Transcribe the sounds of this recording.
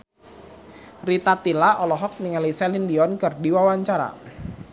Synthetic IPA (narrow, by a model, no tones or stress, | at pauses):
rit̪at̪ilaɔlɔɦɔk̚nɪŋalisɛlindiɔnkɨrdiwawaɲt͡ʃaɾa̰